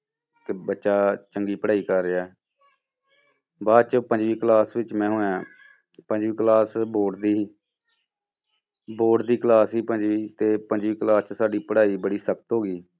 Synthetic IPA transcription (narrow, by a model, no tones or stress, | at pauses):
kbətːʃaːt͡ʃəŋɡiːpəɽaːiːkəɾːeaː | baːd̪t͡ʃpəɲd͡ʒʋiːklaːsʋɪt͡ʃmɛ̃ːɦʊɳãː | pə̃ɲd͡ʒʋiːklaːsboːʈd̪iː | boːʈd̪iːklaːsɦiːpəɲd͡ʒʋiːt̪eːpəɲd͡ʒʋiːklaːst͡ʃsaːɖiːpəɽaːiːbəɽiːsəkət̪ɦoːɡiː